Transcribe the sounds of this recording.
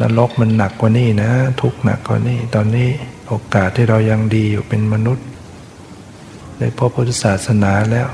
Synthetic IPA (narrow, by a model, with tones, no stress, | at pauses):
na̰˦˧˥lo˦˥k̚ma˧nːa˨˩kːwaː˨˩niː˥˩na˦˥t̪ʰu˦˥k̚na̰˨˩kːwa̰ː˨˩niː˥˩t̪ɔː˧nːiː˦˥˩ʔoː˧kaː˨˩t̪ʰːiː˥˩ɾa˧wja˧ŋdiː˧juː˨˩pe˧nma˧nu˦˥t̪̚ | da˦˧˥pʰo˦˥˩pʰːuː˦˥˩t̪ʰːa˧˩saː˨˩t̪̚sa˧naː˩˦lɛː˦˥˩w